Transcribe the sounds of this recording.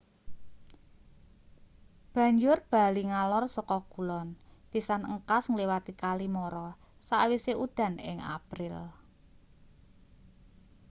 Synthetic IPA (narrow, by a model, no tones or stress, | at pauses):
b̥ä̤ɲd͡ʒʊrb̥a̤liŋalɔrsɔkɔkulɔnb̥isanəŋkasŋliwat̪ikalimɔɾɔ | sawiseʔud̪̥ä̤nɪ̰ŋa̰pɾɪl